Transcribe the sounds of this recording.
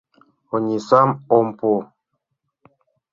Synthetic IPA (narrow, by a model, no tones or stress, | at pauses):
ɔɲisamɔmpo